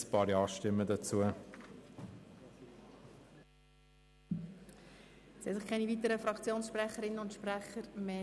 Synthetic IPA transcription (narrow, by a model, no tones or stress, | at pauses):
spɑːɾjɑːʃtɪmːədɑt͡suə | sɛsɪχkʰɛnivit̪əɾəfɾɑkʰt͡sjoːnsʃprɛχəɾɪnəʊntʃpræχəɾmeː